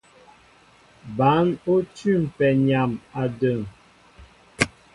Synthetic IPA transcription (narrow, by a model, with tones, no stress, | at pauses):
ba˨˦no˦tʉ˦˨m̩˨pɛ˨ɲa˨ma˨də˨ŋ